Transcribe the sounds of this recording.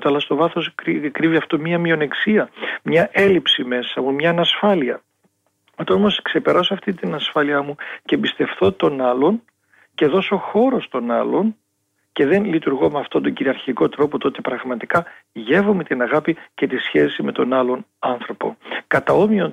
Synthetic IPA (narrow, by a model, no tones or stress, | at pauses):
t̪oɐlɐst̪o̞vɐθo̞sikɾiviɐft̪o̞mɲɐmio̞neksiɐmɲɐʔe̞lipsime̞sɐmumɲɐːnɐsfɐliɐ | ot̪ɐomo̞skse̞pe̞ɾɐsoɐft̪int̪inɐsfɐliɐmucebist̪e̞fθo̞t̪o̞nɐlo̞n | ce̞ðo̞so̞xo̞ɾo̞st̪o̞nɐlo̞n | ce̞ðe̞nlit̪uɾɣo̞meɐft̪ond̪o̞ɲɟiɾiɐɾçiko̞t̪ɾo̞po̞t̪o̞t̪e̞pɾɐɣmɐt̪ikɐ | ʝe̞vo̞me̞t̪inɐɣɐpice̞t̪isçe̞sime̞t̪o̞nɐlo̞nɐnθɾo̞po̞̰kɐt̪ɐo̞mio̞